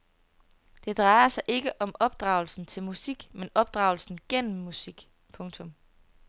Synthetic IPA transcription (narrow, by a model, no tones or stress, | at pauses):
d̥e̝d̥ʁɑ̈ɪɐsɑ̈ɪʔe̝ɡ̥əʔɒ̽mɒ̽b̥d̥ʁɑ̈ʊl̩sn̩t͡sʰe̝lmusiɡ̥menɒ̽b̥̚d̥ʁɑ̈ʊl̩sn̩ɡ̥en̰m̩ːusiɡ̥ | pʰɔ̽ŋt͡sʰɔ̽m